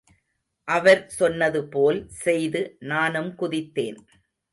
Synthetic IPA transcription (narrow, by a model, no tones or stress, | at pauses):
ʔɐʋɐɾsɔnːɐðɯpoːlsɛjðɯnaːnɯmkʊðɪt̪ːeːn